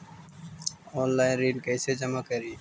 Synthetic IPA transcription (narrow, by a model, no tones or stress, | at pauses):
ɔːnlaːɪnɾiːɖkɛːsed͡ʒəmakəɾiː